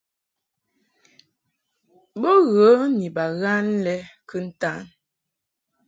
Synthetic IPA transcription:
bo˦ɣə˨˦ni˨ba˨ɣa˦nlɛ˦kə˦n̩˦ta˦n

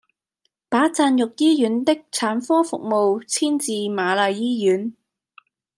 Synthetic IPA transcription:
paː˨˥t͡saː˧njʊ˨k̚jiː˥jyː˨˥nt̪ɪ˥k̚t͡sʰaː˨˥nfɔː˥fʊ˨k̚mo˨wt͡sʰiː˥nt͡siː˨˧maː˨˧laː˨jjiː˥jyː˨˥n

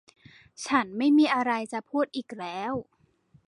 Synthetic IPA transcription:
t͡ɕʰa˦˥nma˥˩jmiː˧ʔa˧ɾa˧jt͡ɕa˨˩pʰuː˥˩t̪̚ʔiː˨˩k̚lɛː˦˥w

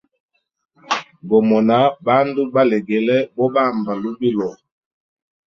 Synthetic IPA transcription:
ɡɔ˨mɔ˨na˦ba˦ndu˦ba˦lɛ˨ɡɛ˨lɛ˦bɔ˦ba˦˨mba˨lu˦bi˦lɔ˨

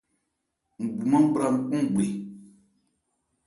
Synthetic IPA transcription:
ŋ̩˨ɡ͡bu˨mã˦m̩˦bɾa˦˨ŋ̩˨˦˨k͡pɔ̃˦ŋ˦˨ɡ͡be˨

